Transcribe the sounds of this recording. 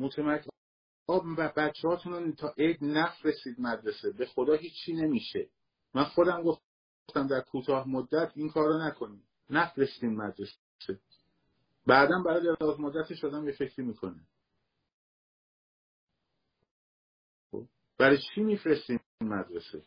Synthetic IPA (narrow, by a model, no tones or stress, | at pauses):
mot̪ʰemækʰː | ɒːæbæt͡ʃʰːehɒːt̪ʰunt̪ʰɒːʔejd̪næfɾest̪iːd̪̚mæd̪ɾe̞sebe̞xo̞d̪ɒːɦiːt͡ʃʰːiːne̞miːʃe | mænxo̞d̪æmɡo̞f | st̪æmd̪æɾkʰuːt̪ʰɒːhmod̪ːæt̪ʰiːnkʰɒːɾonækʰo̞niːd̪ | næfɾe̞sd̪iːd̪mæd̪ɾe̞s | se | bæd̪ænbæɾɒːjd̪eɾɒːzmod̪ːæt̪ʰeʃɑːd̪æmjefe̞cʰɾiːmiːkʰo̞næ | xo̰b | b̥æɾɒjt͡ʃʰiːmiːfɾest̪i | nmæd̪ɾesḛ